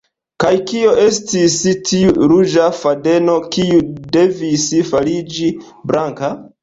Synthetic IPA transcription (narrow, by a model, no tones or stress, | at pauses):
kajkio̞ʔe̞stistʰiuɾud͡ʒafade̞no̞kiude̞visfalid͡ʒi | bɾaŋka